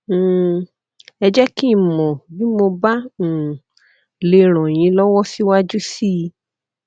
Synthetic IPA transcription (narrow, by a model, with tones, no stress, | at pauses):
ɛ˧d͡ʒɛ˦ki˦˨mɔ̃˨bi˦mo˧bã˦˨ | le˧ɾ̃ɔ̃˨j̃ĩ˧˦lɔ˦wɔ˦si˦wa˦d͡ʒu˦si˦i˧